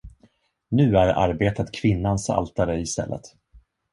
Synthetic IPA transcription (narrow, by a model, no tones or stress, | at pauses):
nʉ̟ːæɾa̰ɾbeːt̪ət̪kʰv̥ɪnːansa̰lt̪aɾəɪst̪ɛ̰lːʔə̰t̪